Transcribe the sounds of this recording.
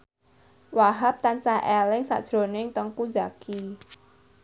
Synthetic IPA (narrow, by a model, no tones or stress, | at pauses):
waɦap̚t̪ansaɦʔɛlɪŋsa̰ʔd̥ʒ̥ɾonɪŋt̪əŋku̥d͡ʒaki